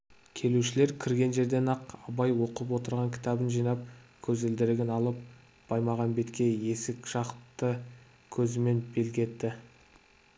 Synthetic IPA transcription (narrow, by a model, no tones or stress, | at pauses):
kʲʰe̞luʃɪle̞ɾkʲʰɪɾɡʲe̞nʒe̞ɾd̪e̞nɑqɑbɑjwo̞qəp̬wo̞t̪əɾʁɑŋkʲʰɪ̥t̪ʰɑbənʒijnɑp̚kʲʰɵzɪld̪ɪɾɪɡʲɪnɑlˠəp̚ | b̥ɑjmɑʁɑnbe̞t̪kʲe̞je̞sɪkʒ̥ɑqt̪ːə | kʲʰɵzɪme̞nbe̞lɡʲe̞t̪ːɪ